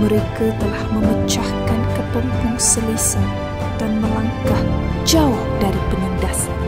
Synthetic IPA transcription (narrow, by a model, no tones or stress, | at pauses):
məɾekat̪əlahməmət͡ʃahkankəpəmpʊŋsəlisan | t̪anmowankahd͡ʒaʊhdaɾipənəndas